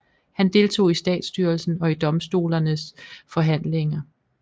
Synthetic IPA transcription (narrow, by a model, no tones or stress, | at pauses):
hænd̥e̝ːlt͡sʰo̝̰ːisd̥ɛ̰ːd̥sd̥yːɐlsn̩ɒ̽id̥ɒ̽msd̥o̝̰ːlɐnəsfɒ̽ɦæn̰le̝ŋɐ